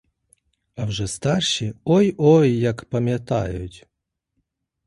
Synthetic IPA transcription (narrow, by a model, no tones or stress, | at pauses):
awʐɛst̪arʃiɔjɔjːakpɐmʲjat̪a̰jʊ̰tʲ